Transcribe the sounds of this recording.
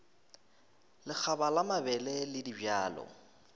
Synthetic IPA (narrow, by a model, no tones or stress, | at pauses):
lɪk͡xʰabalamabɛlɛlɪdibjaːlɔ̰